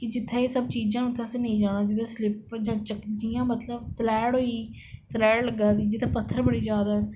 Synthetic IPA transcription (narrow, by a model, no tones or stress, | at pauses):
kɪd͡ʒɪt̪ʰːeːeːsəb̚t͡ʃiːd͡ʒãːnut̪ʰːesenəĩːd͡ʒaːɽaːd͡ʒɪt̪ʰːãːslɪp̚d͡ʒãːt͡ʃəkd͡ʒijãːmət̪ləbt̪əlɛːɽɦoːiː | t̪əlɛːɽləɡaːd̪iːd͡ʒɪt̪ʰaːpət̪ʰːəɾbəɽiːd͡ʒjaːd̪aː